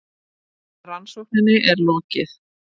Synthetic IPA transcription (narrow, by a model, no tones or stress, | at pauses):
ransowknɪnːɪʔɛɾlɔːcɪθ